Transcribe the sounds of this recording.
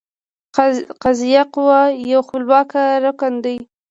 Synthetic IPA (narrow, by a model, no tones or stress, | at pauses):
qazijaqwajawxʊlbɑkaɾakand̪əj